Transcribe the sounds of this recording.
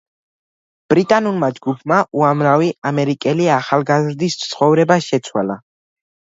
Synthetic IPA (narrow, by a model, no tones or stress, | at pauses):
b̥ɾit̪ʼanulˠmad͡ʒɡupʰmaʔuamɾaviamɛɾikʼɛliaχalˠɡazɾd̪ist̪ssʰχɔvɾɛbaʃɛt̪sʰwa̰la